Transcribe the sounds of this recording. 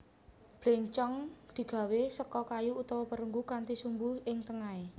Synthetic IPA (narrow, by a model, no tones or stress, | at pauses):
b̥leŋt͡ʃɔŋd̪̥i̤ɡ̥a̤wesəkɔkajuːt̪ɔwɔpəɾuŋɡukant̪isumbuhɪŋt̪əŋae